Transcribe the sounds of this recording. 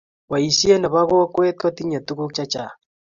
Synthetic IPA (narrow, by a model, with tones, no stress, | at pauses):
wa˨i˨si˦e˦na˨βa˦ɣo˦kwe˦tkwa˦ti˦ɲa˨tu˦ɣo˦kt͡ʃa˦t͡ʃa˨